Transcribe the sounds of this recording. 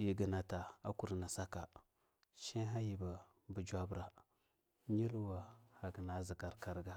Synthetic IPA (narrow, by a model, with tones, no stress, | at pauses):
ji˨ɡə˨na˨ta˨a˦ku˨ɾna˨sa˦ka˨ | ʃi˦ɦa˦ji˨ba˨ | bu˨d͡ʒʷa˦bɾa˨ | ɲi˦lwa˨ha˨ɡi˨na˨˦zi˨ka˨ɾka˨ɾɡa˦